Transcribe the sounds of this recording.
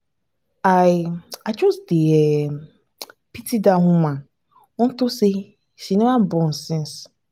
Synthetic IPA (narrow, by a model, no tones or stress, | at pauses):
aɪat͡ʃɔsdeɛ | pitidaɦʊ̃mã | n̩tʊse | siniabɔn̩sɪ̃ns